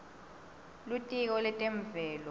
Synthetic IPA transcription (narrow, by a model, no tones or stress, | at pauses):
lutʼik̬ɔlɛtʼɛɱb̪vɛːlɔ